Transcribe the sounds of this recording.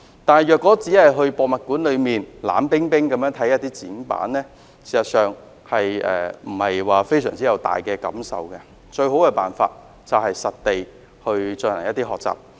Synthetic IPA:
t̪aː˨nɦɐ˨jœː˨˩kːɔː˨˥t͡siː˨˥hɐ˨jɦɵ˧ɥpɔː˧k̚mɐ˨t̚kuː˨˥nlɵ˨˧ɥmiː˨nla̰ː˨˥mpɪ˥ŋpɪ˥ŋkɐ˨˥mjœː˨˥ŋt̪ʰɐ˨˥jɐ˥t̚t̪iː˥t͡siː˨˥npa̰ː˨˥nlɛː˥ | siː˨˩sɐ˨˩t̚sœː˨ŋ | hɐ˨jʔɛ̰ː˨˧m̩˨˩hɐ˨jwaː˨fe˥js̬œ̰ː˨˩ŋt͡siː˥jɐ˨˧wt̪a̰ː˨jkɛː˧kɐ̰˨˥msɐ̰˨wkɛ˧ | t͡ʃɵ˧ɥɦo˨˥wkɛː˧pa̰ː˨nfa̰ː˧t̚ | t͡sɐ˨wɦɐ˨jsɐ˨t̚t̪e˨j | hɵ˧ɥt͡sɵ˧nlɐ˨˩ŋjɐ˥t̪iː˥hɦɔː˨k̚t͡sa̰ː˨p̚

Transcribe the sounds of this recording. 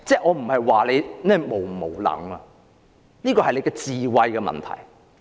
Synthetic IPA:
t͡sɛː˥˩ʔɔː˨˧m̩˨˩hɐ˨jwaː˨le˨˧jnɛː˥˩mo˨˩wmo˨˩wlɐ̰˨˥ŋɐ˧ | niː˥kɔː˧hɐ˨jle˨˧kɛ˧t͡siː˨wɐ˧jkɛ˧mɐ̰˨˩nt̪ʰɐ̰˨˩j

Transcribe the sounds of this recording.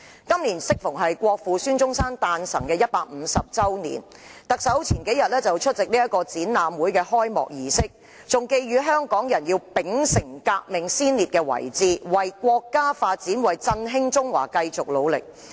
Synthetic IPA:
kɐ˥mliː˨˩nsɪ˥k̚fʊ˨˩ŋɦɐ˨jkʷɔː˧k̚fuː˨syː˥nt͡sʊ˥ŋsaː˥nt̪aː˧nsɐ̰˨˩ŋkɛː˧jɐ˥t̚paː˧k̚m̩ː˨˧sɐ˨p̚t͡sɐ˥wnḭː˨˩n | t̪ɐ˨k̚sɐ˨˥wt͡sʰiː˨˩nke˨˥jɐ˨t̚lɛː˥t͡sɐ˨wt͡ʃʰɵ˥t̚t͡sɪ˨k̚niː˥jɐ˥t̚kːɔː˧t͡siː˨˥nnaː˨mwuː˨˥jkɛː˧hɔː˥jmɔ̰ː˨k̚jiː˨sɪ˥k̚ | t͡sʊ˨ŋke˧jɥyː˨˧ɦœː˥ŋkɔː˨˥ŋjɐ˨˩njiː˧wpɪ˨˥ŋsɪ˨˩ŋkaː˧k̚mɪ˨ŋsiː˥nliː˨˩t̚kɛː˧wɐ̰˨˩jt͡siː˨wɐ˨˩jkʷɔː˧kːaː˥faː˧t̚t͡siː˨˥nwɐ˨˩jt͡sɐ˧nɦɪ˥ŋt͡sʊ˥ŋwa̰ː˨˩kɐ˧jt͡sʊ˨k̚lo˨˧wlɪ̰˨k̚

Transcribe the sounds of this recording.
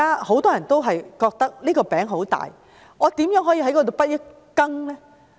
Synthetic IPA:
aː˥ho˨˥wt̪ɔː˥jɐ˨˩nt̪o˥wɦɐ˨jkɔː˧k̚t̪ɐ˥k̚liː˥kɔː˧pɛː˨˥ŋɦo˨˥wt̪a̰ː˨j | ŋɔː˨˧t̪iː˨˥mjœː˨˥ŋɦɔː˨˥ji˧ɦɐ˨˥jkɔː˧t̪o˨˧wpɐ˥t̚jɐ˥t̚ | kɐ˥ŋlɛː˥

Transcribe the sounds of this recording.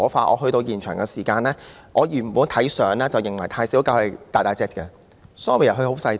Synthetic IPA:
faː˧tʔɔ̰ː˨˧ɦɵ˧ɥt̪o˧wjiː˨˩nt͡ʃʰœː˨˩ŋkɛ˧siː˨˩kaː˧nlɛː˥ʔɔː˨˧jyː˨˩m˨puː˨˥nt̪ʰɐ˨˥jsœː˨˥ŋlɛː˥t͡sɐ˨˩wjɪ˨ŋwɐ˨˩jt̪ʰaː˧jsiː˨˥wkaː˧whɐ˨˧t̪aː˨˩t̪aː˧˩t͡sɛː˥t̚kɛ̰˧ | sɔ˨˦˥ŋɔː˨˧pe˨jɐ˨˩ɦɵ˧ho˨˥wsɐ˧j

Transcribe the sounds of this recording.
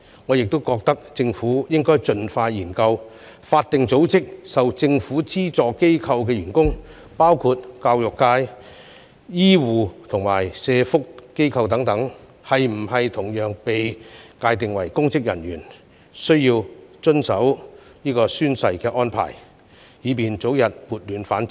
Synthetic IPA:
ŋɔː˨˧jɪ˨k̚t̪o˥wkɔː˧k̚t̪ɐ˥k̚t͡sɪ˧ŋfuː˨˥jɪ˥ŋkɔː˥jt͡ʃɵ˧nfaː˧jjiː˨˩nkɐ˧w | faː˧t̚t̪ɪ˨ŋt͡so˨˥wt͡sɪ˥k̚sɐ˨wt͡sɪ˧ŋfuː˨˥t͡siː˥t͡sɔː˨˧kːe˥jkʰɐ˧wk̬ɛː˧jyː˨˩nkʊ˥ŋ | paː˥wkʰuː˧t̚kaː˧wjʊ˨kːaː˧j | jiː˥wuː˨t̪ʰʊ˨˩ŋma̰ː˨˩jsɛː˨˧fʊ˥kkːe˥jkʰɐ˧wt̪ɐ˨˥ŋt̪ɐ˨˥ŋ | hɐ˨jm̩˨˩ɦɐ˨jt̪ʰʊ˨˩ŋjœː˨˧ŋpe˨jkaː˧jt̪ɪ˨ŋwɐ̰˨˩jkʊ˥ŋt͡sɪ˥k̚jɐ˨˩nɥyː˨˩n | sɵ˥ɥjiː˧wt͡ʃɵ˥nsɐ˨˥w | niː˥kɔː˧syː˥nsɐ˧jkɛː˧ʔɔː˥npʰa̰ː˨˩j | hiː˨˧piː˨nt͡so˨˥wjɐ˨t̚puː˨˩t̚lyː˨˧nfaː˨˥nt͡sɪ˥

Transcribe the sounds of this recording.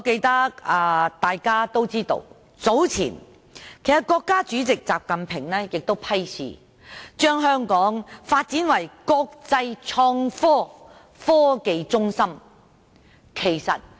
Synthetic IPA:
ɔ˨˧ke˧jt̪ɐ˥kaː˧t̪aː˨jkaː˥t̪o˥wt͡siː˥t̪o̰˧w | t͡so˨˥wt͡sʰḭː˨˩n | kʰe˨˩sɐ˨˩t̚kɔː˧kːaː˥t͡ʃyː˨˥t͡sɪ˨k̚t͡sa̰ː˨p̚kɐ˨npʰɪ˨˩ŋlɛː˥jɪ˨k̚t̪o˥wpʰɐ˥jsʰḭː˨ | t͡ʃœː˥ŋɦœː˥ŋkɔː˨˥ŋfaː˧t̚t͡siː˨˥nwɐ˨˩jkɔː˧k̚t͡sɐ˧jt͡sʰɔː˧ŋfɔː˥ | fɔː˥ke˧jt͡sʊ˥ŋsɐ˥m | kʰe˨˩jsɐ̰˨t̚

